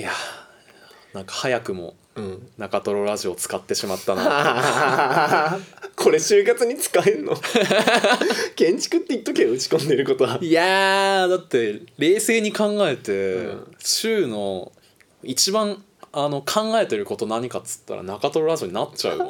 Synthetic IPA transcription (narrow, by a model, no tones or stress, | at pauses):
ja | nãŋkḁhajakɯ̟mo̞̰ | nakat̪o̞ɾo̞ɾaʑio̞ːt͡sɨ̥kat̪ːe̞ɕimat̪ːana̰ | kʰo̞ɾe̞ɕɨːkat͡sɨɲ̟it͡sɨ̥kaeɾɯ̟no | kẽ̞ɲt͡ɕi̥kɨ̟t̪ːeit̪ːokeːɯ̟t͡ɕi̥kõ̞nd̪eɾɯ̟ko̞t̪oajad̪at̪ːe̞ɾe̞ːse̞ːɲ̟ikãŋɡae̞t̪eɕɨːno̞ | it͡ɕibãŋ | ano̞kʰãŋɡae̞t̪e̞ɾɯ̟ko̞t̪o̞naɲ̟ikat͡sɨ̥t̪ːa̰ɾa̰nakat̪o̞ɾo̞ɾaʑoɲinatt͡ɕa̰ɯ̰